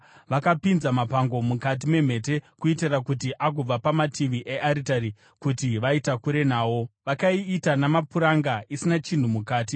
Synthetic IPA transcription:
ʋakapinzamapaŋɡo̞mukat̬ime̞m̤e̞t̬e̞kuitirakut̬iʔak̬ub͡vapamatiʋiʔeʔaɾitaɾi | kutiʋaitakuɾe̞naːwo̞ʋakaiːtanamapuɾaŋɡaʔisinat͡ʃin̤umukaːt̬i

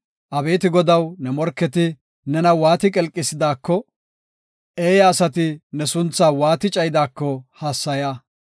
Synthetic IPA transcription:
ʔɐbe̞ːt̪ɪɡɔd̪ɐwnɛmɔɾkːɛt̪ɪ | nɛnɐwaːt̪ɪkʼɛlkʼːɪsɪd̪aːkːɔ | ʔeːjɐːsɐt̪ɪnɛsʊnt͡sːaːwaːt̪ɪt͡ʃʼɐjɪd̪aːkːɔhasːɐjaː

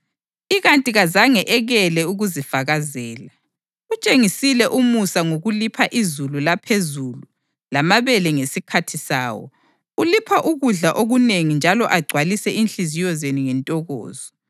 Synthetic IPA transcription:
iɣantʼiɣazaŋɛʔɛɣɛlɛuɣuzifaɣazɛːla | ut͡ʃʼeŋisilɛʔumusaŋoɣulipʰaʔizululapʰezulu | lamaβɛlɛŋesikʰatʰisa̰ːwɔ̰ | ulipʰaʔuɣuɮaʔoɣuneŋind͡ʒʱalɔʔaɡ͡ǀʱwalisɛʔinɬizijɔzeniŋɛntʼɔɣɔ̰ːzɔ

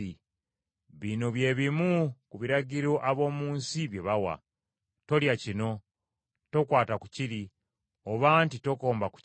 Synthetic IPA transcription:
i | βino̞βje̞ːβimukuβiɾaɟiɾo̞ʔaβo̞ːmuːnsiβje̞βawa̰ | to̞ljacino̞ | to̞kwaːtaku̥ciɾi | oβantito̞koːmbaku̥

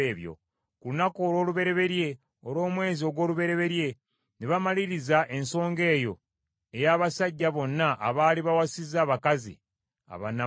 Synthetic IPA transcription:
eːβjo̰ | kulunakoːlwo̞ːluβe̞ɾe̞βe̞ɾje̞ | oɾo̞ːmwe̞ːzio̞ɡwo̞ːluβe̞ɾe̞βe̞ɾje̞ | niβamaliɾizaʔe̞nso̞ːŋɡe̞ːjo̞̰ | e̞jaːβasaɟːaβo̞nːaʔa̰βaːliβawasizaːβakazḭ | a̰βa̰na

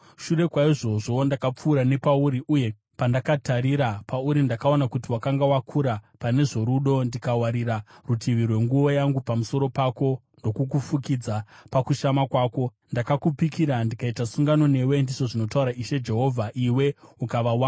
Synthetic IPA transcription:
ʃure̞kwaiʐo̞ʐo̞ndakap͡fuːɾane̞pauɾiʔuje̞ | pandakataɾiɾapauɾindakao̞nakutiwakaŋɡawakʰuɾapane̞ʐo̞ɾuɗo̞ndikawaɾiɾarutʰiʋirwe̞ŋɡuʋo̞jaŋɡupamuso̞ɾo̞pako̞ | ndo̞kuk̬ufukid͡zapakuʃamakwaːko̞ | ndakakupikiɾandikaitasuŋɡano̞ne̞we̞ndiʐo̞ʐino̞tauɾaiʃe̞d͡ʒe̞ɦo̞vʱaʔiwe̞ukaʋawana

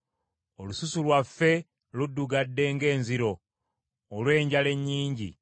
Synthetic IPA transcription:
olususulwafːe̞ | ludːuɡadːe̞ŋɡe̞ːnziɾo̞ː | lwe̞ːɲɟale̞ɲːiːɲɟḭ

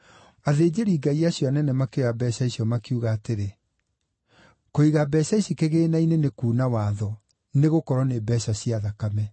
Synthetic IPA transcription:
aðeːd͡ʑeɾiːɡaiaɕjɔanɛnɛmakeɣabɛsaisiɔmakiuɣaːteɾe | koiɣabɛsaisikeɣeːnainenekuːnawaðɔ | neɣokɔɾɔnebɛɕaɕiaðakamɛ

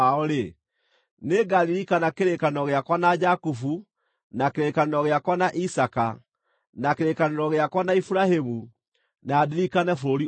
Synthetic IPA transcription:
aoɾe | neɡaliɾikanakeɾekanɔɣeakwanad͡ʒakufu | nakeɾekaneɾɔɣeakwanaʔisaka̰ | nakeɾekaneɾɔɣeakwanaifuɾahemu | nadiɾikanɛfoɾoɾi

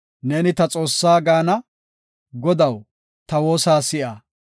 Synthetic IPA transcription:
nɛnɪt̪ɐt͡sʼo̞ːsːaːɡaːnɐ | ɡɔd̪ɐw | t̪ɐwo̞ːsaːsɪʔaː

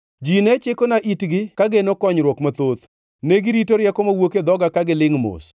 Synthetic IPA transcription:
d͡ʒinɛt͡ʃɪkonaʔitɡɪkaɡenokɔɲɾwɔkmat̪ot̪ | neɡɪɾitoɾjɛkɔmawoked̪ɔɡakaɡɪlɪŋmo̰s

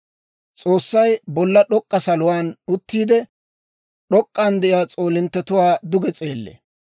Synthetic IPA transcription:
t͡sʼoːsːɐjbɔlːɐɗɔkʼːɐsɐlʊwaːnʊt̪ːiːd̪ɛ | ɗɔkʼːand̪ɛʔɪjaːt͡sʼoːlɪnt̪ːɛt̪ʊwaːd̪ʊɡɛt͡sʼeːlːḛ

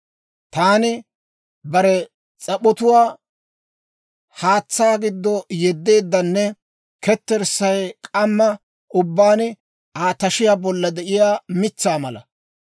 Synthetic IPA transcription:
t̪aːnɪ | bɐɾɛ | t͡sʼɐɓɔt̪ʊwaː | haːt͡sːaːɡɪd̪ːɔjɛd̪ːe̞ːd̪ːɐnːɛ | kɛt̪ːɛɾsɐjkʼɐmːɐ | ʔʊbːaːnɪ | aːt̪ɐʃɪjaːbɔlːɐd̪ɛʔɪjaːmɪt͡sːaːmɐlɐ̰

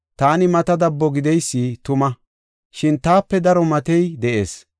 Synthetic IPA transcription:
t̪aːnɪmɐt̪ɐd̪ɐbːɔɡɪd̪ɛjsːit̪ʊmɐ | ʃɪnt̪aːpːɛd̪ɐɾɔmɐt̪ɛjd̪ɛʔe̞̰ːs

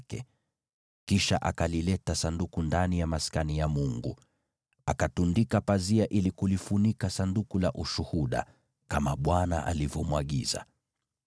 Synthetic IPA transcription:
kɛ | kiʃa̰ʔakalilɛtasandukundanijamaskanijamuŋɡṵ | akatundikapaziaʔilikulifunikasandukulaʔuʃuhuɗa̰ | kamaɓwana̰ʔa̰livjɔmwaɠiza̰

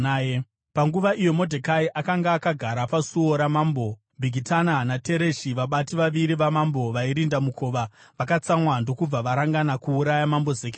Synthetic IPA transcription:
je | paŋɡuʋaijo̞mo̞dʱekaiʔakaŋɡaːkaɡʱaɾapasuoɾamaːmbo̞ | bʱiɡʱitananate̞ɾe̞ʃiʋaɓatiʋaʋiɾiʋamambo̞ʋaiɾindamukʰo̞ːʋa | ʋakat͡samwando̞kub͡vaʋaɾaŋɡanakuːɾajamambo̞zeːke

